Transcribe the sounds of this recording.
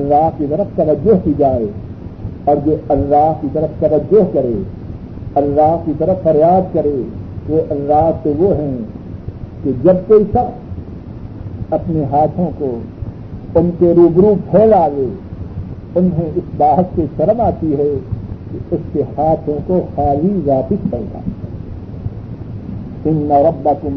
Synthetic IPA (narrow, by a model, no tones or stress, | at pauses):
ɐlːaːɦkit̪əɾəft̪ɐʋəd͡ʒːʊɦkid͡ʒaːe | ɔːɾjoɐlːaːɦkit̪əɾəft̪ɐʋəd͡ʒːʊɦkɐɾeː | ɐlːaːɦkit̪əɾəffɐɾjaːd̪kəɾeːʋoʔɐlːaːɦt̪oʋoɦɛ̃ | ked͡ʒɐb̚koːɪsa | ɐpneɦaːt̪ʰõko | ʊnseɾuːbɾupʰɛːlaːweː | ʊnɦẽɪsbaːɦət̪seʃɐɾəmaːt̪iɦɛkeʊskehaːt̪ʰõkoxaːlizaːt̪ɪspɐɡ̪a̰ː | ɪnːɐɾɐbːɐkʊm